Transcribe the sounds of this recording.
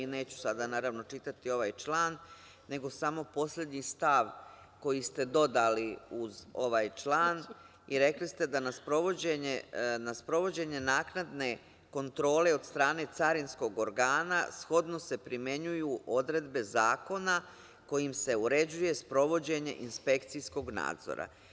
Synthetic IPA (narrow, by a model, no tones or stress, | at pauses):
ine̞ːt͡ɕu̥sad̪anaːɾaʋno̞t͡ʃit̪at̪io̞ʋaːjt͡ʃlˠaːnː | e̞ɡo̞samo̞po̞sʎʲe̞d̪ɲist̪aʋ | ko̞jist̪e̞d̪o̞d̪aliuzo̞ʋaːjt͡ʃlˠaːn | iɾe̞klist̪e̞d̪anaspɾo̞ʋod͡ʑeɲenaspɾo̞ʋo̞d͡ʑe̞ɲe̞naːknad̪ne̞ | ko̞nt̪ɾo̞ːle̞o̞d̪st̪ɾaːne̞t̪saɾinsko̞ɡo̞ɾɡaːna̰sxo̞d̪no̞se̞pɾimje̞ɲujuʔo̞d̪ɾe̞d̪be̞zaːko̞na | ko̞jimse̞uɾe̞d͡ʑuje̞spɾo̞ʋo̞d͡ʑe̞ɲe̞̰ʔinspe̞kt̪sijsko̞ɡna̰ːd̪zo̰ɾʔa̰